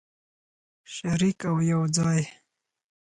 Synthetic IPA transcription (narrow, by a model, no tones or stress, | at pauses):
ʃaɾikawjawd͡zɑj